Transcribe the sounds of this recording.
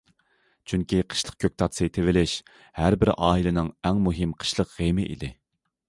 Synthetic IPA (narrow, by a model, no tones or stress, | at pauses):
t͡ʃʰyŋkʲiqʰə̥ʃlˠəq̚kʲʰøk̚ʲt̪ʰɑt̪sejt̪ʰɪvɪlɪʃ | hæɾbɪɾʔɑːilˠɨnɨŋɛŋmuɦɪmqʰə̥ʃlˠəqʁemɪʔḭd̪ɪ